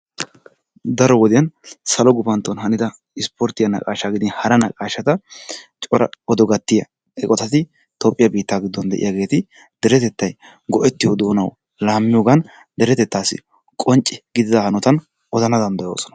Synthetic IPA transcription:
d̪ɐɾɔwɔd̪ɪjɐnsɐlɔɡʊfɐnt̪ːɔnhɐnɪd̪ɐ | ɪspɔɾt̪ɪjɐnɐ̰kʼaːʃaːɡɪd̪ɪnhɐɾɐnɐkʼaːʃɐt̪ɐt͡ʃʼɔɾɐɔd̪ɔɡɐt̪ːɪjɐ | ɛkʼɔt̪ɐt̪ɪ | t̪oːpʼːɪjɐbiːt̪ːaːɡɪd̪ːɔnd̪ɛ̰ʔɪ̰jaɡe̞ːt̪ɪ | d̪̥ɛɾɛt̪ɛt̪ːɐj | ɡɔʔɛt̪ːɪjod̪o̞ːnɐw | laːmːɪjoɡɐn | d̪ɛɾɛt̪ɛt̪ːaːsɪ̰ | kʼɔnt͡ʃʼːɪɡɪd̪ɪd̪ɐhɐnɔt̪ɐn | ʔɔzɐnɐd̪ɐnd̪ɐjo̞ːsɔ̥nɐ̥

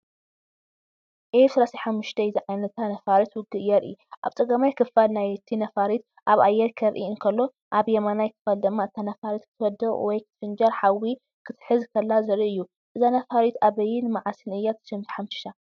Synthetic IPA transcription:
ʔesɐɾasaħamːʊʃt̪ʰɐɪziʕajnɐtt̪ʰanɐfaɾit̪wʊɡɨjɐɾḭjuʔa̰βt͡sʼɨɡɐmajkʰɨfalnajt̪ʰinɐfaɾit̪ | ʔaβajːɛɾkʰɐɾʔḭɨŋkʰɐlːo̞ | ʔaβjɛmanajkʰɨ̥fɐld̪ɨmːaɨt̪ʰːanɐfaɾit̪kʰɨ̥t̪ʰwɔd̪ɐɣwɔjkʰɨt̪ʰfɨnd͡ʒɐɾħawi | kʰɨt̪ħɨzkʰɐlːazɐɾiɨjːu | ʔɨzanɐfaɾit̪aβɐjːɪnɨmaʕasɨnɨjːat̪ʰɨ̥ʃɨmt̪ħamɨ̥ʃt̪ʰa

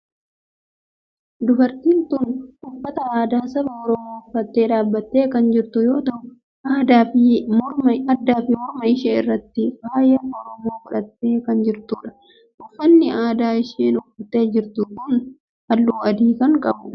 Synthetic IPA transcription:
d̪ʊbɐɾt̪iːnt̪ʊnʊfːɐt̪ɐaːd̪aːsɐbɐɔɾɔmo̞ːʊfɐt̪ːe̞ːᶑaːbːɐt̪ːeːkɐnd͡ʒɪɾt̪ʊjo̞ːt̪ɐʔʊ | ʔaːd̪aːfɪɐɐd̪ːaːfɪmɔɾmɐɪʃeːɪ̰rːɐt̪ːɪwaːjɐɔɾɔmo̞ːfʊᶑɐt̪ːe̞ːkɐnd͡ʒɪɾt̪uːᶑɐ̥ | ʔʊfːɐnːɪʔaːd̪aːɪʃeːnʊfɐt̪ːe̞ːd͡ʒɪɾt̪ukʊn | hɐlːuːɐd̪iːkɐŋkʼɐbʊ

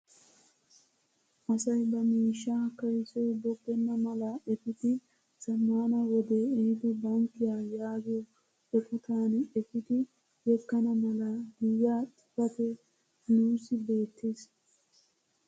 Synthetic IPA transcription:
ʔɐsɐjbɐmiːʃːakːɐjɪsɛjbɔpːɛnːɐmɐlɐɛfɪt̪ɪ | sɐmːaːnɐwɔd̪eːɛhɪd̪ɔbɐŋkːɪjaːjaːɡɪjɔ | ɔfɔt̪aːnɛfɪt̪ɪ | jɛkːɐnɐmɐlɐd̪ɪjːaːt̪ʼɪ̥pɐt̪ɛ | nuːsɪbe̞ːt̪ːeːs

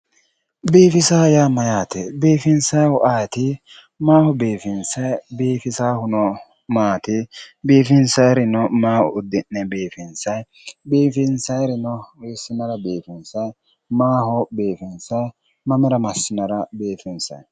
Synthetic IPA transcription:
beːfɪsaːjaːmɐjaːt̪ɛbeːfɪnsɐjwɔʔaːt̪ɪ | maːhɔbeːfɪnsɐjbeːfɪsaːhʊnɔ | maːt̪ɪbeːfɪnsɐjɾɪnɔmaːʔʊ̰ʊd̪ːɪnːɛbeːfɪnsɐj | beːfɪnsɐjɾɪnɔwɛjsɪnɐɾɐbeːfɪnsɐj | maːɦɔbeːfɪnsɐj | mɐmɛɾɐmɐsːɪnɐɾɐbeːfɪnsɐ̰j

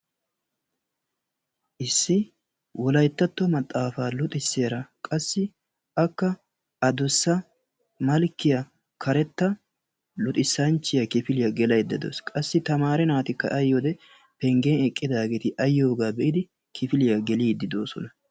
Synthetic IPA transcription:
ʔɪsːɪ | wɔlɐjt̪ːɐt̪ːɔmɐt̪ʼːaːfaːlʊt̪ʼɪsːeːɾɐkʼɐsːɪ | ʔɐkːɐ | ɐd̪ɔsːɐ | mɐlkːɪjɐ | kʰɐɾɛt̪ːɐ | lʊt̪ʼɪsːɐnt͡ʃːɪjɐkɪfɪlɪjɐɡɛlɐjd̪ːɪd̪o̰ːskʼɐsːɪt̪ɐmaːɾɛnaːt̪ɪkːɐ̰ʔɐjːod̪ɛ | pɛŋɡenɛkʼːɪd̪aːɡeːt̪ɪʔɐjːoːɡaːbɛʔɪd̪ɪ | kʰɪfɪlɪjɐɡɛliːd̪ːɪd̪oːsɔ̰nɐ

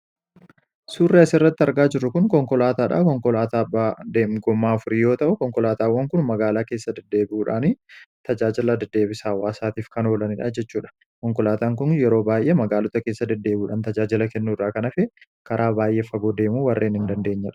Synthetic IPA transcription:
suːrːeɐsɪɪrːɐt̪ːɪɐɾɡaːd͡ʒɪrːʊkʊnkɔŋkɔlaːt̪aːᶑa̰ːkɔŋkɔlaːt̪aːbaːd̪eːmɡɔmːaːɐfʊɾɪjo̞ːt̪ɐʔʊkɔŋkɔlaːt̪aːwːɐŋkʊnmɐɡaːlaːke̞ːsːɐd̪ɐd̪ːe̞ːbɪʔuːᶑaːnɪt̪ɐd͡ʒaːd͡ʒɪlɐd̪ɐd̪ːe̞ːbɪsaːwːaːsaːt̪iːfkɐno̞ːlɐnɪᶑa̰ːd͡ʒɛt͡ʃːuːᶑɐ̥ | kɔŋkɔlaːt̪aːŋkʊnjɛɾo̞ːbaːjʔemɐɡaːlɔt̪ɐkeːsːɐd̪ɐd̪ːe̞ːbuːᶑaːnt̪ɐd͡ʒaːd͡ʒɪlɐkɛnːuːrːaːkɐnɐfɛ | kɐɾʔaːbaːjʔefɐɡoːd̪e̞ːmuːwɐrːʔeːnhɪnd̪ɐnd̪e̞ːɲːɐᶑɐ̥

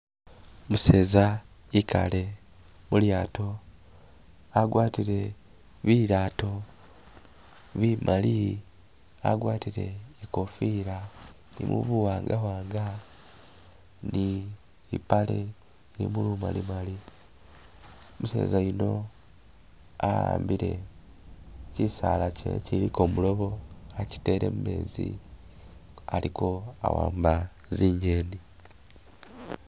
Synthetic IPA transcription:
muse̞ːza | ikʰa̰le̞ | muljaːto | aɡwaːtiɾe̞ | βiɾaːto̞ | βimʔali | a̰ɡwaːtiɾe̞̰ikofiɾa | nḭmṵβuwaːŋɡawaːŋɡa | ni | ipale̞ | iɾimuluma̰limali | muse̞̰ːzaino̞ | aɾa̰ːmbiɾe̞ | cisalace̞̰ciɾiko̞mulo̞βo̞aci̥te̞ɾe̞̰mme̞ːzḭ | aliko̞a̰wa̰ːmba | ziːɲɟe̞ːni

